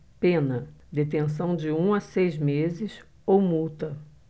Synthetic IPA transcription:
pẽnɐd̪et̪ẽsɐ̃w̃d͡ʒɪũɐsejzmezɪs | owmut̪ɐ

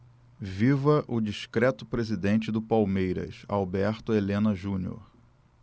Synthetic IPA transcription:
vivɐʔʊd͡ʒiʃkɾɛt̪ʊpɾezid̪ẽnt͡ʃɪd̪ʊpawmejɾɐ̰sa̰wbɛɾt̪ʊelẽnɐʒũnio̰ɾ

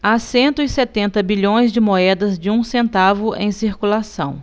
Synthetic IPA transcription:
asẽnt̪ʊɪset̪ẽnt̪ɐbiʎõj̃zd͡ʒɪmoɛd̪ɐzd͡ʒɪũsẽnt̪avʊʔḛ̃j̃siɾkulasɐ̰̃w̃

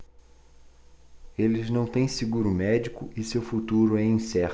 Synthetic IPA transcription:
elɪznɐ̃w̃t̪ẽj̃sɪɡuɾʊmɛd͡ʒikʊɪsewfut̪uɾʊɛĩsɛɾ

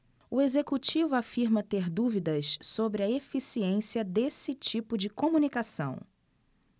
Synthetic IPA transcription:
uezekut͡ʃivʊafiɾmɐt̪eɾd̪uvid̪ɐssobɾɪɐefisiẽsiɐd̪esɪt͡ʃipʊd͡ʒɪkõmunikasɐ̃w̃

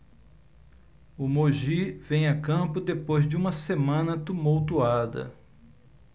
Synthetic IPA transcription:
ʊmoʒivẽj̃ɐkɐ̃pʊd̪epojzd͡ʒɪũmɐsemɐ̃nɐt̪umowt̪uad̪ɐ̰

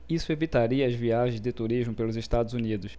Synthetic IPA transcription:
isʊevit̪aɾiɐazviaʒẽj̃zd̪ɪt̪uɾiʒmʊpelʊzeʃt̪ad̪ʊzunid̪ʊs

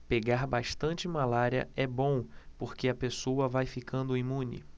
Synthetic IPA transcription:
peɡaɾbaʃt̪ɐ̃t͡ʃɪmalaɾiɐ̰ɛbõw̃poɾkeɐpesowɐvajfikʰɐ̃nd̪ʊimũnɪ̰

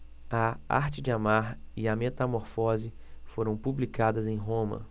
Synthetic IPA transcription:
ɐa̰ɾt͡ʃɪd͡ʒɪamaɾiɐmet̪ɐmoɾfɔzɪ | foɾɐ̃w̃publikad̪ɐzẽj̃ɦõmɐ̰

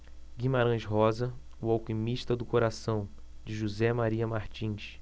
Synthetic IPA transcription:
ɡimaɾɐ̃ʃɦɔzɐ | ʊawkimiʃt̪ɐd̪ʊkoɾasɐ̃w̃ | d͡ʒɪʒuzɛmaɾiɐmaɾt͡ʃĩʃ

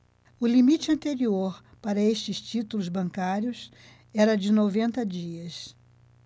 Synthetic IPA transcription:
ʊlimit͡ʃɪɐ̃nt̪eɾioɾ | paɾɐest͡ʃɪst͡ʃit̪ulʊzbɐ̃ŋkaɾjʊs | ɛɾɐd͡ʒɪnovẽnt̪ɐd͡ʒiɐs

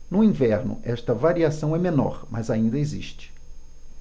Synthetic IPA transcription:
nʊĩvɛɾnʊ̰ʔɛʃt̪ɐvaɾiasɐ̃w̃ɛmẽnɔ̰ɾmʔɐ̰zaĩnd̪ɐezḭʃt͡ʃɪ̥

